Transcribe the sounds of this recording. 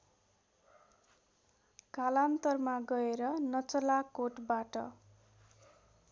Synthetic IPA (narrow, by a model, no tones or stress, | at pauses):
kalant̪ʌrmaɡʌeɾʌnʌt͡sʌlakoʈbaʈʌ